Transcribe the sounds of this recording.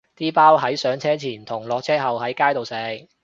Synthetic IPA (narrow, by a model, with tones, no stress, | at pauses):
t̪iː˥paː˥whɐ˨˥jsœː˨˥ŋt͡sʰɛː˥t͡sʰiː˨˩nt̪ʰʊ˨˩ŋlɔː˨k̚t͡sʰɛː˥ɦɐ˨whɐ˨˥jkaː˥jt̪o˨wsɛː˨˧˥ŋ